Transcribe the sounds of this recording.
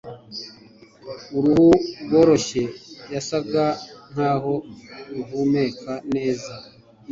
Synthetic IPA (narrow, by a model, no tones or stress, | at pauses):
uɾuhuwo̞ːɾo̞ʃe̞jasaɡan̥haːɦo̞ɾuvumekʰane̞ːza